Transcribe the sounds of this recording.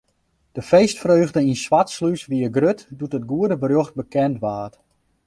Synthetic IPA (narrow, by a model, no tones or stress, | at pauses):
d̥əfejstfrøːɣdəinswatslysʋiəɡrøtdutət̚ɡuədəbəɾøxt̚bəkɛntʋaːt